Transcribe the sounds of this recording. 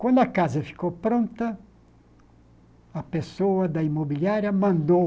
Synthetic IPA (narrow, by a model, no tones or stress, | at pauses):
kwɐ̃nd̪ʊɐkazɐfi̥kowpɾõnt̪ɐ | ɐpesoɐd̪ɐimobiliaɾjɐmɐ̃nd̪o